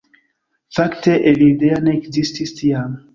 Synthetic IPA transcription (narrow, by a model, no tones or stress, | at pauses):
fakteʔelideanekzististʰiam